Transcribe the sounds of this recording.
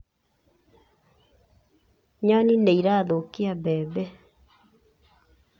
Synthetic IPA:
ɲanineiɾaːðokiabɛːbɛ

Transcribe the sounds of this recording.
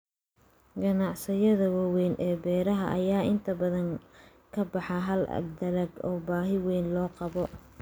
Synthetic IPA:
ɡɐnɑʕsɪjɐðɐwɐwɛnʔɛːbɛːɾɐɦɐʔɐjaːʔɪnt̪ʰɐbɐðɐŋ | kʰɐbɑħɑɦɐl̰d̪ɐlɐɡɔːbaːɦɪwɛːnlɔːqɑβɔ

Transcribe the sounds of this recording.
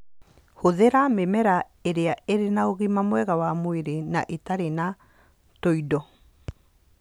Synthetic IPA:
hoðeɾamemɛɾa | eɾeaeɾenaoɣimamwɛɣawamoeɾenaʔetaɾena | toidɔ

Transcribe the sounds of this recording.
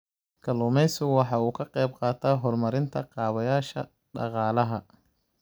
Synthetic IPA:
kʰɐlʊːmɛjsʊwɑħɑuːkʰɐqɛjb̚qɑːt̪ʰaɦɔrmɐɾɪnt̪ʰɐqɑːβɐjaːʃɐ̰ | ɖɑ̰qɑːlɐɦɐ

